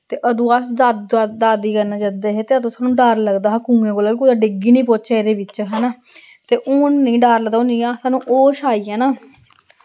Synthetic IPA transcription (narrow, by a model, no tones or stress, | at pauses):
t̪eːʔəd̪ũːasdaːd̪aːd̪iːkəɾnãːd͡ʒəd̪eːɦeːt̪eːəd̪õːsaːnũːɖaːɾləɡd̪aːɦkũːɡẽːkoːlaːikuːd̪aɖɪɡiːnĩːpoːt͡ʃaeːɾeːʋɪt͡ʃɦɛːnaː | t̪eːʔuːnːĩːɖaːɾləd̪aonĩːaːsaːnũːʔoːʃaːiːɛ̃ːnaː